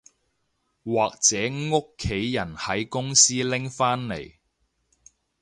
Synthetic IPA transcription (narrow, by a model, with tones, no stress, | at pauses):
waː˨k̚t͡sɛː˨˥ŋʊ˥kʰːe˨˥jjɐ˨˩nhɐ˨˥jkʊ˥ŋsiː˥lɪ˥ŋfaː˥nlḛ˨˩j